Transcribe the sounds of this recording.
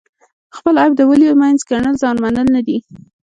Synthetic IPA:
xpəlajbd̪əwəliomajnzkaɳəlzɑnmanəlnad̪i

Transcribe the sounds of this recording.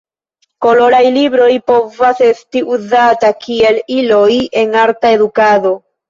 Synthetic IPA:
ko̞lo̞ɾajliβɾo̞jpo̞vase̞st̪iʔuzat̪akieliloje̞ŋaɾt̪ae̞ðukaðo̞

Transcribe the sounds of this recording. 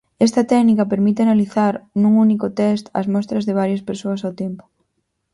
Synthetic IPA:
ɛst̪ɐt̪ɛknikɐpeɾmit̪eanaliθaɾnũŋunikʊt̪ɛst̪ɐ̰zmɔst̪ɾɐzðeβ̞aɾjɐspeɾsoɐsawt̪ɛmpʊ̥

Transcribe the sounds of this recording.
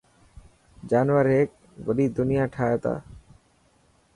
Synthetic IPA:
d͡ʒaːnʋəɾeːk̚ | ʋəɗiːd̪ʊnijaːʈʰaːjet̪a̰ː

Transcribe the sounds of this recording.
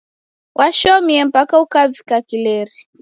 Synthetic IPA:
wʔaʃɔmiɛm̩pakaukavikakilɛɾi

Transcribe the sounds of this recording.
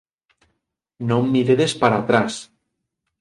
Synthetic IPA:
nõmːiɾeðespaɾat̪ɾas

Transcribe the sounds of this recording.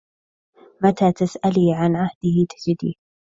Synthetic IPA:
mat̪aːt̪asʔaliːʕanʕahd̪̥ɪht̪ḁd͡ʒɪd̪ḭː

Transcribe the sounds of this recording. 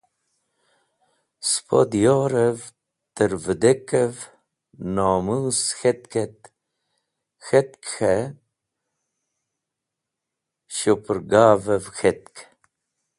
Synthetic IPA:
spʰo̰d̪joːɾəv | t̪əɾvəd̪ekəv | noːmuːsxet̪ket̪ | xet̪̚kxe | ʃopəɾɡaːvəvxet̪̚k

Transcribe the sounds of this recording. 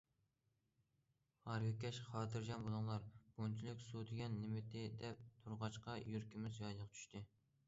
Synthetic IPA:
hɑɾɡʲikʲʰɛʃχɑːt̪ʰɨɾʒɑnbolˠuŋlˠɑɾb̥ont͡ʃʰilˠɪkʲsud̪ɪɡʲɛnːɪmɪt̪ʰɪd̪ɛp̚t̪ʰuɾʁɑʃqɑjyɾkʲimɪzjɑjlˠəʁt͡ʃʰy̥ʃt̪ʰɪ

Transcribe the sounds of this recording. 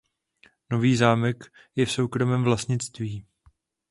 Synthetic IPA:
no̞viːzaːmɛk | jɛfso̞wkɾo̞mɛmvlast̪ɲɪt͡st̪viː

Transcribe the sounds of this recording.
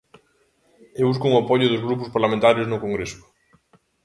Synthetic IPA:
eβuskoŋapɔʎʊðʊzɣɾupʊspaɾlamẽnt̪aɾeznʊkoŋɡɾesʊ̥

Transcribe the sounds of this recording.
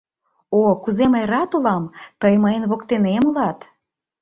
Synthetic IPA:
okuzemɑjɾɑt̪ulɑmt̪əjməjənβokt̪enemolɑt̪

